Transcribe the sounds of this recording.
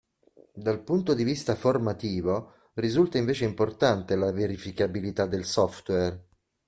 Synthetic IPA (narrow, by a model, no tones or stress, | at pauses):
d̪alpunt̪od̪ivist̪aformat̪iːvo | rizult̪aiɱveːt͡ʃeimport̪ant̪elaveɾifikabilit̪ad̪ːelsɔft̪wɛr